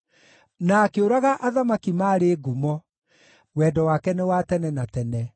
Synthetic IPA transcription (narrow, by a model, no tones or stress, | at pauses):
naːkeoɾaɣaʔaðamakimaːɾeːɡumɔ | wɛːdɔwakɛnewatɛnɛnatɛnɛ